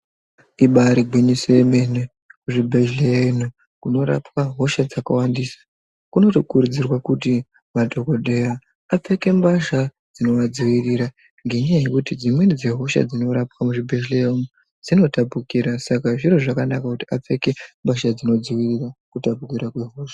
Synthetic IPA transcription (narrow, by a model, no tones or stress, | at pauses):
iɓaɾiɡʱwinisojemene | kuʐibʱeʒlenu | kuno̞ɾa̰pkaɦo̞ʃad͡zakawandiːsḁ | kuno̞tokuɾud͡zirwakuti | madʱo̞ko̞ɗe̞ja | ap͡fe̞kembaʃa | d͡zino̞ʋad͡ziwiriɾa | ŋɡe̞ɲejekutid͡zimwe̞nid͡ze̞ɦo̞ʃa̰d͡zino̞ɾapkamuʐibʱeʒleenu | d͡zino̞tapukiɾasakaʐiɾoʐakanakakutiap͡fe̞ke̞mbaʃad͡zino̞d͡ziwirirakutapukiɾakwe̞ɦo̞ʃḁ